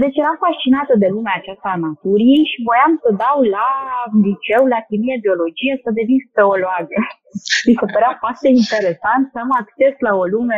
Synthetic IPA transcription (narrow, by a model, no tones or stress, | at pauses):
d̪e̞t͡ʃʲjeɾamfast͡ʃinat̪əd̪e̞lumeat͡ʃast̪aːnat̪uɾijejʃivojamsəd̪awlalit͡ʃe̞wlakʲimied̪io̞lo̞d͡ʒijesəd̪e̞vinsp̪eoloaɡə | d̪isəpəɾafoart̪eint̪eɾe̞sant̪səmakt͡ʃe̞slao̞lume